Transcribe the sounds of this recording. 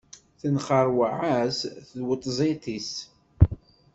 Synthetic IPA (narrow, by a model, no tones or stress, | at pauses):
θənχəɾˤwəʕasθəðwət̪ˤːzˤit̪is